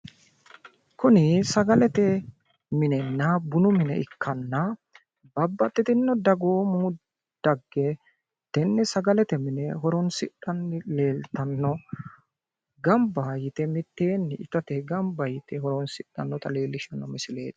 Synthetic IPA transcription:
kʊnɪsɐɡɐlɛt̪ɛ | mɪnɛnːɐbʊnʊmɪnɛ̰ɪkʰːɐnːɐ | bɐbːɐt̪ʼːɪt̪ɪnːɔd̪ɐɡoːmuː | d̪̥ɐɡːɛ | d̪̥ɛnːɛsɐɡɐlɛt̪ɛmɪnɛɦɔɾɔnsɪɗɐnːɪleːlt̪ɐnːɔ | ɡɐmbɐjɪt̪ɛmɪt̪ːeːnːɪʔɪt̪ɐt̪ɛɡɐmbɐjɪt̪ɛhɔɾɔnsɪɗɐnːɔt̪ɐleːlːɪʃɐnːɔmɪsɪlḛːd̪

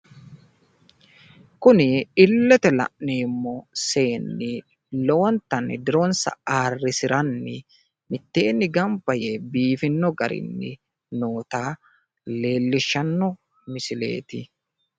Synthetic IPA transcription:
kʊnɪɪlːɛt̪ɛlɐ̰ʔniːmːɔse̞ːnːɪ | lɔwɔnt̪ɐnd̪ɪɾoːnsɐ̰aːrːɪsɪɾɐnːɪ | mɪt̪ːe̞ːnːɪɡɐmbɐjebiːfɪnːɔɡɐɾɪ̰nːɪ̰ | no̞ːt̪aː | le̞ːlːɪʃːɐnːɔ | mɪsɪle̞̰ːt̪ɪ

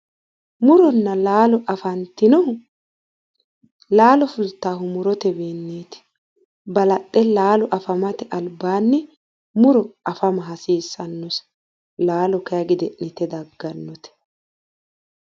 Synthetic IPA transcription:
mʊɾɔnːɐlaːlɔʔɐfɐnt̪ːɪnɔ | laːlɔfʊlt̪ːaːɦʊmʊɾɔt̪ɛbeːnːeːt̪ɪ̥ | bɐlɐtʼːɛlaːlɔʔɐfɐmɐt̪ɛʔɐlbaːnːɪ | mʊɾɔɐfɐmɐɦɐsiːsːɐnːɔs | laːlɔkɐjɐɡɪd̪ɛʔnɪt̪ɛd̪ɐɡːɐnːɔt̪ɛ̥

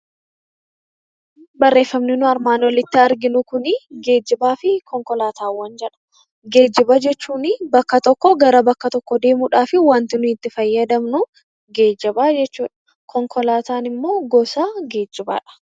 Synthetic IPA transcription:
bɐrːe̞ːfːɐmnɪnʊɐɾmaːnwɔlɪt̪ːɪɐɾɡɪnʊkʊnɪɡe̞ːd͡ʒːɪbaːfɪkɔŋkɔlaːt̪aːwːɐnd͡ʒɛᶑɐ̥ | ɡe̞ːd͡ʒːɪbɐd͡ʒɛt͡ʃːuːnɪbɐkːɐt̪ɔkːɔɡɐɾɐbɐkːɐt̪ɔkːɔd̪e̞ːmuᶑaːfɪwɐnt̪ɪnʊhɪt̪ːɪfɐjːɐd̪ɐmnʊ | ɡe̞ːd͡ʒːɐbaːd͡ʒɛt͡ʃːuːᶑɐ̥ | kʰɔŋkʰɔlaːt̪aːnɪmːo̞ːɡɔsaːɡe̞ːd͡ʒːɪba̰ːᶑɐ̥

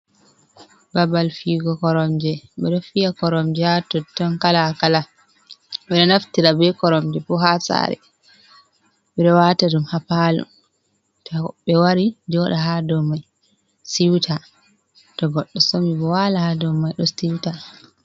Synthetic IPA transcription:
babalfiːɡɔkɔɾɔmd͡ʒɛɓɛɗɔfijakɔɾɔmd͡ʒɛatɔtːɔnkalakala | ɓɛɗɔnaftiɾabɛkɔɾɔmd͡ʒɛpɔɦasa̰ɾɛ̰ | ɓɛɗɔwaːtaɗumhapalṵn | tɔɓɛwaɾid͡ʒɔɗaɦadɔmaj | siwtʰa | tɔɡɔɗːɔsɔmibɔwalahadɔmajɗɔsiwta

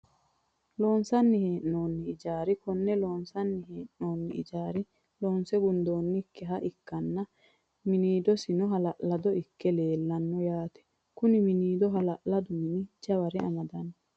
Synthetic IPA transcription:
lo̞ːnsɐnːɪheːʔno̞ːnːɪːd͡ʒaːɾɪkɔnːɛlo̞ːnsɐnːɪɦeːʔno̞ːnːɪɪ̰d͡ʒaːɾɪ | loːnsɛɡʊnd̪o̞ːnːɪkːɛɦɐʔɪkːɐnːɐ | mɪniːd̪ɔsɪnɔɦɐlɐʔlɐd̪ɔɪkːɛle̞ːlːɐnːɔjaːt̪ɛ̥ | kʊnɪmɪniːd̪ɔɦɐlɐʔlɐd̪ʊmɪnɪd͡ʒɐβɐɾɪɐ̰mɐd̪ɐnːɔ

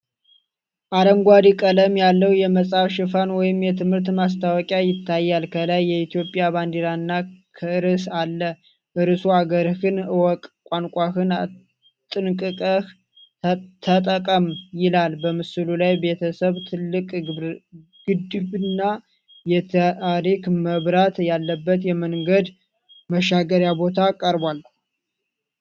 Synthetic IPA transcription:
ʔad̪əŋɡʷad̪ikʼələmjalːəwjɛməsʼafʃɪfanwɔjɪmjɛt̪ʰɨmhɨɾt̪mas̬t̪ʰawɔkʼajɪt̪ʰːajːalkʰəlajːɛit̪ijo̞pʼːjaband̪iɾaɨnːakʰəʔɨɾɨsalːə | ʔɨɾɨsuaɡəɾhɨnɨwɔkʼkʷʼankʷʼahɨn | t̪ʼɨnkʼɨkʼəh | t̪ʰət̪ʼəkʼəmjɪlalbəmɨsɨlulajbe̞t̪ʰəsəβt̪ʰɨlːɨkʼ | ɡ̥ɨd̪ɨbɨnːa | jɛt̪ʰaɾikməβɾat̪jalːəbːət̪jɛməŋɡəd̪ | məʃaɡəɾjabo̞t̪ʰakʼːəɾbalːə

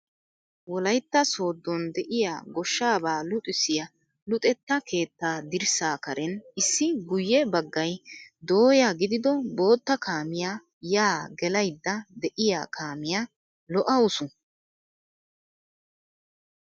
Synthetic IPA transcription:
wɔlɐjt̪ːɐso̞ːd̪ːɔnd̪ɛʔɪja̰ːɡɔʃːaːbaːlʊt̪ʼɪsɪjɐ | lʊt̪ʼɛt̪ːɐkʰe̞ːt̪ːaːd̪ɪɾsaːkɐɾɛnɪsːɪɡʊjːɛbɐɡːɐjd̪o̞ːjaːɡɪd̪ɪd̪ɔbo̞ːt̪ːɐkʰaːmɪja | jaːɡɛlɐjd̪ːɐd̪ɛʔɪja̰ːkʰaːmɪja | lɔʔɐʊsʊ

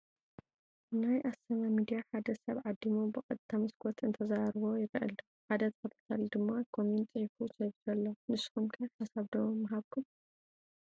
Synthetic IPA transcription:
najʔasɐmamid̪ijaħad̪ɐsɐβʕad̪ːimobɨkʼɐt̪ʰːamɨskʰɔt̪ʰɨnt̪ʰɐzaɾβo̞jɪɾʔɐ̰lɐ | ħad̪ɐt̪ʰɐfɐt̪ʰɐ̥t̪ʰald̪ɨmːakʰomunt̪ʼifusʰɐjβzɐlːomɨsxumkʰɐħasaβd̪ommːɐɦaβkʰum

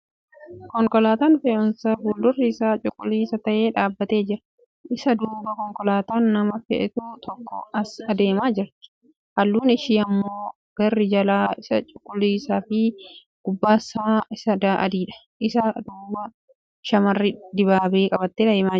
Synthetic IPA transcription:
kɔŋkɔlaːt̪aːnfeʊnsaːbuːld̪ʊrːisaːt͡ʃʼʊkʼːʊliːsɐt̪ɐʔe̞ːᶑaːbːɐt̪e̞ːd͡ʒɪɾɐ | ʔɪsɐd̪uːbɐkɔŋkɔlaːt̪aːnːɐmɐfɛ̰ʔɛt̪uːt̪ʰɔkːɔ̰ɐsɐd̪e̞ːmaːd͡ʒɪɾt̪ɪ̥ | hɐlːuːnɪʃiːɐmːo̞ː | ɡ̥ɐrːɪd͡ʒɐlaːɪsɐt͡ʃʼʊkʼːʊlːiːsaːfɪ | ɡ̥ʊbːaːsaːɪsɐd̪aʔɐ̰d̪iːᶑɐ̥ | ʔɪsɐd̪uːbɐ | ʃɐmɐrːɪd̪ɪbaːbe̞ːkʼɐbɐt̪ːeːɐeːmaː

